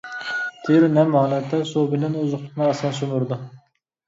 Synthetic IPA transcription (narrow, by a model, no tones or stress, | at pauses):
t̪ʰeɾnɛmhɑːlˠɛt̪ʰːɛsubɪlɛnøzʊχˠnɨɑsɛnsymʊɾd̪u